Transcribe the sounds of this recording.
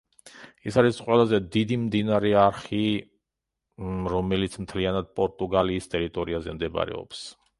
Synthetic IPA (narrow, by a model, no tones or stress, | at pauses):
isaɾisqʼwɛlˠazɛd̪id̪imd̪inaɾɛaɾχi | ɾɔmɛlit̪sʰmt̪ʰlianad̪̚pʼɔɾt̪ʼuɡaliːst̪ʼɛɾit̪ʼɔɾiazɛmd̪ɛba̰ɾɛ̰ɔ̰ps